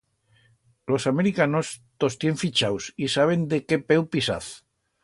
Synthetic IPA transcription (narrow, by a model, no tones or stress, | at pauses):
lo̞same̞ɾikano̞st̪o̞st̪je̞ɱfit͡ʃawsisaβ̞e̞nd̪e̞ke̞pe̞wpisa̰θ